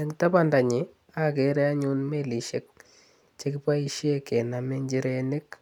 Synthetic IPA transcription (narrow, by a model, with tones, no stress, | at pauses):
ɛ˨ŋta˦pa˨nda˨ɲɪ˨ | a˦ke˨ɾɛ˦a˦ɲu˦nme˦li˨ʃe˦k̚ | t͡ʃe˦kɪ˦pa˦i˦ʃe˦kɛ˨na˨me˦ɲd͡ʒi˦ɾenɪ˦k